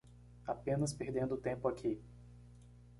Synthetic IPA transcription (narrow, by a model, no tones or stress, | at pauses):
apẽnɐspeɾd̪ẽnd̪ʊt̪ẽpʊakʰi